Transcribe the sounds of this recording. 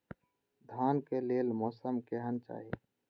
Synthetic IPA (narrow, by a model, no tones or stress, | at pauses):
d̪ʱaːnkeleːlmɔːsəmkeɦənt͡ʃa̰ːɦḛ